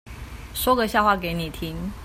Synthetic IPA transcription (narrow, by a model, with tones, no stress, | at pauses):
ʂwɔ˦˥ɡə˨ɕja˥˧ʊxwa˥˩ke˨˧˦ɪni˨˩t̪ʰi˦ŋ